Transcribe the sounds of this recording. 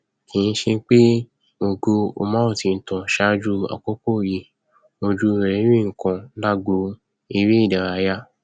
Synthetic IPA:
kĩ˨n̩˦ʃe˧˦k͡pe˦ | o˨ɡo˧o̰˧mã˦o˦˨ti˧n̩˨tɔ̃˨ʃa˦d͡ʒu˧a̰˨ko˦ko˦˨je˨ | mo˧d͡ʒu˧ɾe˨ɾe˨˦ɾĩ˦˨ŋ̩˨kã˧˦la˦ɡo˨˦ | i˧ɾi˦i˦˨da˨ɾa˨˧˦ja˦

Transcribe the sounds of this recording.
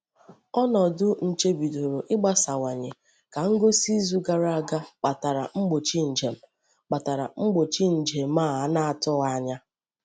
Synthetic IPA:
ɔ˦nɔ˨dʊ˦n̩˨t͡ʃe˦bi˨do˨ɾo˨ʔɪ˦ɡ͡ba˦sa˨wa˨ɲe˨ | ka˨ŋ̩˦ɡo˦si˦zu˦ɡa˨ɾa˨ɡa˦k͡pa˨ta˨ɾa̰˨ŋ͡m̩˦ɡ͡bo˨t͡ʃi˦n̩˨d͡ʒe˨m̩˦˨ | k͡pa˨ta˨ɾa̰˨ŋ͡m̩˦ɡ͡bo˨t͡ʃi˦n̩˨d͡ʒe˨m̩˦aː˦˨a˨˦na˦a˨tʊ˦ɣa˦ɲa˦

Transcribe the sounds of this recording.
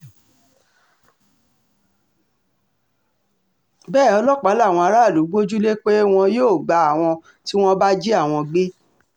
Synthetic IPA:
bɛː˦˨ɔ˧lɔ˦k͡pa˨˦la˦˨w̃ɔ̃˧a˧ɾa˦˨lu˨˦ɡ͡bo˦d͡ʒu˦le˦k͡pe˦w̃ɔ̃˧joː˦˨ɡ͡ba˨˦a˦˨w̃ɔ̃˧ | ti˦w̃ɔ̃˦ba˦d͡ʒe˦a˦˨w̃ɔ̃˧ɡ͡be˦

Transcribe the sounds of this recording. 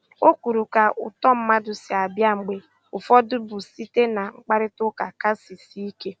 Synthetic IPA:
o˦kʷu˨ɾu˨ka˨ʔʊ̰˨tɔ˦m̩˦ma˦dʊ˨si˨a˨bja˦ŋ͡m̩˨ɡ͡be˨ | ʊ˨fɔ˦dʊ˦bʊ˨si˦te˦na˨ŋ͡m̩˦k͡pa˦ɾɪ˦tʊ˦ka˨ka˦si˨si˦i˦ke˦

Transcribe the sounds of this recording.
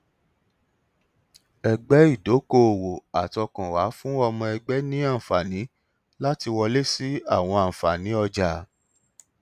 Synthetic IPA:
ɛ˨ɡ͡bɛ˨˦i˦˨do˨˦ko˦˨o˨wo˨a˨tɔ˧kã˨wa˨˦fũ˦ɔ˧mɔ̃˧ɛ˧ɡ͡bɛ˦nĩ˦a˦˨fa˨nĩ˨˦ | la˦ti˧wɔ˧le˦si˦a˦˨w̃ɔ̃˧ã˨fa˨nĩ˨˦ɔ˧d͡ʒa˨

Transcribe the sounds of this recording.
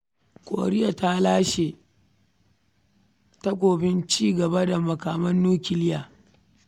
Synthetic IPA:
kʷʼo̰ː˨ɽɪ˦ja˨ta˦laː˦ʃeː˨ | ta˦kʷoː˨bɪ˦nt͡ʃiː˦ɡɐ˨ba˦da˨mɐ˨kaː˨mɐ˦nːuː˦kʲɪ˨lɪ˦jaː˨

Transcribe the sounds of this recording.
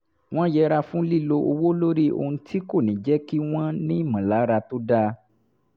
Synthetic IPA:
w̃ɔ̃˦jɛ˦ɾa˧fũ˦li˦˨lo˧o˧wo˦lo˦ɾi˦o̰˧hũ˧ti˦ko˦˨nĩ˨d͡ʒɛ˦ki˦w̃ɔ̃˦nĩ˦˨mã˨la˨˦ɾa˧to˦da˦

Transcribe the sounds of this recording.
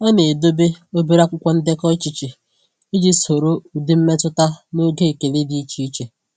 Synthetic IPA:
ɔ˦ne˨do˦be˦o˦be˦ɾa˦kʷʊ˦kʷɔ˦n̩˦dɪ˦kɔ˦t͡ʃi˨t͡ʃi˨ | i˦d͡ʒi˦so˨ɾo˦u˨dɪ˦m̩˦me˦tʊ˦ta˦no˦ɡe˦˨ke˨le˦di˨˦i˦t͡ʃi˦i˦t͡ʃe˨

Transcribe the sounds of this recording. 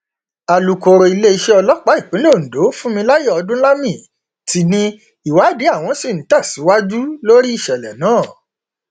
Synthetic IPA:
a˨lu˨ko˧ɾo˧i˧le˦i˧ʃe˦ɔ˧lɔ˦k͡pa˨˦i˦˨k͡pĩ˨˦lo˦˨n̩˨do˨˦fũ˦mĩ˧la˦je˦˨ɔ˧dũ˦la˦mĩ˦˨ | ti˧nĩ˦ | i˦˨wa˨˦de˨˦a˦˨w̃ɔ̃˧si˦˨ñ̩˨˦ta˦˨si˨˦wa˦d͡ʒu˦lo˦ɾi˦i˦˨ʃɛ˨lɛ̰˨nãː˦˨

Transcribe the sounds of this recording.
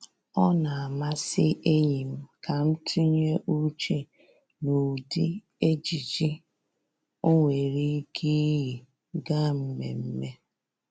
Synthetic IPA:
ɔ˦na˨a˨ma˦sɪ˦ʔe˦ɲi˨m̩˦ka˨m̩˦tʰu˦ɲ˦e˦ʔu˦t͡ʃe˦ | no˨di˦ | e˦d͡ʒi˨d͡ʒi˦ | o˦ŋʷe˨ɾi˦ɡi˦ji˨ | ɡa˦m̩˦me˨m̩˦me˦

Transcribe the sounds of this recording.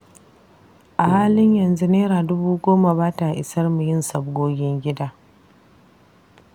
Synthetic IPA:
ʔa˨haː˦lɪ˦ɲjɐ˨nzu˦neː˦ɾaː˨dʊ˦buː˦ɡʷoː˦ma˨baː˦ta˨ʔɪ˨sɐ˦rmu˨jɪ˦nsɐ˨b̚ɡʷoː˦ɡʲɪ˦ŋɡʲɪ˦daː˦

